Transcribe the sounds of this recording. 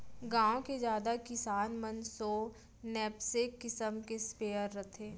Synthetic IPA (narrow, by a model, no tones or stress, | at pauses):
ɡãːõked͡ʒjaːd̪akɪsaːnmənsoː | nɛːpsekːɪsəmkespeːəɾːɐt̪ʰeː